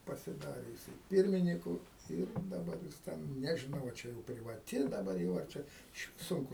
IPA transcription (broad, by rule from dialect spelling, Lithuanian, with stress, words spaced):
pɐsʲɪˈdɑːrʲɪ jɪˈsɐɪ ˈpʲɪrʲmʲɪnʲɪkʊ ˈɪr dɐˈbɐr jɪs ˈtʲɛn nʲɛʒʲɪˈnɐʊ ɐ ˈt͡ʃʲɛ jɛʊ pʲrʲɪʋɐˈtʲɪ dɐˈbɐr jɛʊ ɐr ˈt͡ʃʲɛ ɪʃʲˈʋʲɪs ˈsʊŋkʊ